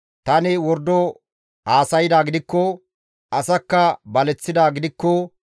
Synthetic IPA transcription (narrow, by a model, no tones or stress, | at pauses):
t̪ɐnɪwɔɾd̪ɔ | aːsɐjɪd̪aːɡɪd̪ɪkːɔ | ʔɐsɐkːɐbɐlɛt͡sːɪd̪aːɡɪd̪ɪkːɔ